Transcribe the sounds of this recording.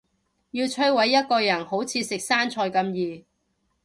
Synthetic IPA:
jiː˧wt͡ʃʰɵ˥wɐ˨˥jːɐ˥t̚kɔː˧jɐ˨˩nho˨˥wt͡sʰiː˨˧sɪ˨k̚saː˥nt͡ʃʰɔː˧jkɐ˧mjiː˨

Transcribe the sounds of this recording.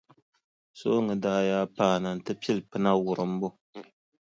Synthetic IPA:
so̰˦ŋɨ˨daː˦jaː˦paː˦˨na˨n̩˨tɨ˦pi˦lpɨ˦na˦wʊ˨ɾɨ˨m̩˦bo˦

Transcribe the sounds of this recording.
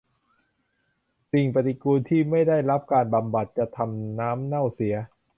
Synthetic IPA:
si˨˩ŋpa˧t̪i˧kuː˧nt̪ʰiː˥˩ma˥˩jda˥˩jɾa˦˥p̚kaː˧nba˧mba˨˩t̪̚t͡ɕa˨˩t̪ʰa˧mnaː˦˥mna˥˩wsi˩˦ɐ

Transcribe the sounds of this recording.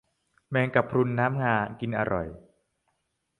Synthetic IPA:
mɛː˧ŋka˨˩pʰɾu˧nːaː˦˥mŋaː˧nki˧nʔa̰˧ɾʔɔ̰˨˩j

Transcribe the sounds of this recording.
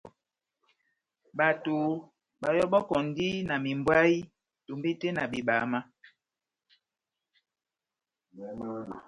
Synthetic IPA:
ɓa˨to˨ | ɓa˨jɔ˦ɓɔ˦kɔ˨n˦di˦na˨mi˨mbwa˦i˦ | to˨mbi˦te˦na˨bi˨ɓa˨˦ma˦

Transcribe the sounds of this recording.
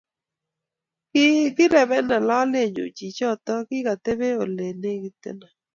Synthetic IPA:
kɪ˦ɡɪ˦ɾɛ˨βɛ˦na˨lɔ˦le˦˨ɲd͡ʒo̰˨t͡ʃi˨t͡ʃɔ˦˨t̪ɔ˦kɪ˦ka˨t̪e˦βe˦o˨le˨ne˦ɡɪ˦t̪ḛ˦na˨

